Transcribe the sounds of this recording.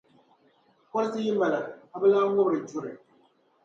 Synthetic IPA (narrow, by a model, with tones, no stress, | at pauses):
kɔ˦ɾsɨ˦jɪ˦mː˦a˨la˨ka˨bɛ˦laː˦ŋʊ˦bɾɨ˨d͡ʒu˦ɾɨ˨